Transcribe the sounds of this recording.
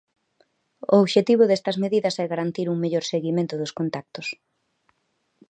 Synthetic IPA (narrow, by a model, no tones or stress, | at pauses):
o̰oβʃet̪iβ̞ʊðest̪ɐzmeðiðɐsɛɣaɾant̪iɾuŋmeʎoɾseɣimẽnt̪ʊðʊskont̪ak̚t̪ʊs